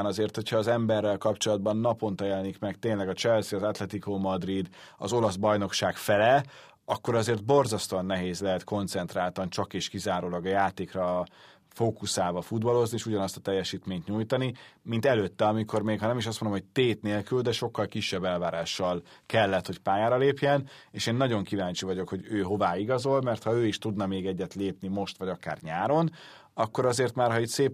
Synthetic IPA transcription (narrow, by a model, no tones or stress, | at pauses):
nɒzeːrt̪ho̞cʰhɒːzɛmbɛrːɛlkɒpt͡ʃo̞lɒd̪̚bɒnːɒpo̞nt̪ɒjɛlɛnikmɛɡt̪eːɲlɛɡɒt͡ʃɛlsiɒzat̪lɛt̪ikomɒd̪rid̪ɒ̰zo̞lɒzbɒjno̞kʃaːkfɛlɛ | ɒkːo̞ɾɒzeːrd̪̚bo̞rzɒst̪onːɛɦeːzlɛɦɛt̪ko̞nt̪sɛnt̪ɾaːlt̪ɒnt͡ʃɒkeːʃkizaːɾoːlɒɡɒjaːt̪eːkrɒ | foːkusaːvɒfud̪bɒlo̞znieːʃuɟɒnɒst̪ɒ̥t̪ɛjːɛʃiːt̪meːɲt̪ɲujt̪ɒnimint̪ɛløːt̪ːɛɒmiko̞rmeːkhɒnɛmiʃ̬ɒst̪ond̪omhoc̚t̪eːt̪neːlkyld̪ɛʃo̞kːɒlkiʃːɛbːɛlvaːɾaːʃːɒlkɛlːɛt̪ho̞cpaːjaːɾɒleːpjɛneːʃeːnːɒɟo̞ŋkivaːɲt͡ʃivɒɟo̞kho̞ɟøːɦo̞vaːiɡɒzo̞lmɛrt̪hɒøːiʃt̪ud̪nɒmeːɡɛɟːɛt̪leːpnimo̞ʃt̪ʋɒɟɒka̰ːrɲaːɾo̞n | ɒkːo̞ɾɒzeːrt̪maːrɦɒit̪seːp